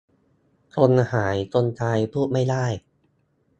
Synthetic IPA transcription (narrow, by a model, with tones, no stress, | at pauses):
k̪ʰo˧nhaː˩˦jt̪o˧nt̪ʰaː˧jpʰuː˥˩t̪̚ma˥˩jdaː˥˩j